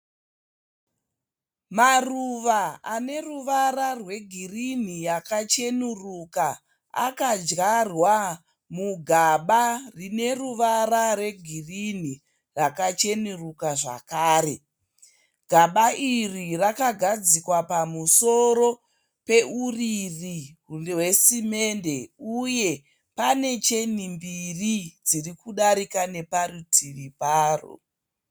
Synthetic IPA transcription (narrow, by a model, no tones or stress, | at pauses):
maruʋaane̞ruʋararwe̞ɡʱirin̤ijakat͡ʃe̞nuruka | a̰kad͡ʒɣarwa | muɡʱaɓarine̞ruʋararwe̞ɡʱirin̤i | rakat͡ʃe̞nurukaʐa̰kaːɾe̞ | ɡ̥ʱaɓaʔirirakaɡʱad͡zikwapamuso̞ɾo̞ | pe̞uririwe̞sime̞nde̞uje̞ | pane̞t͡ʃe̞nimbirid͡zirikuɗaɾikane̞parutʰiripaːro̰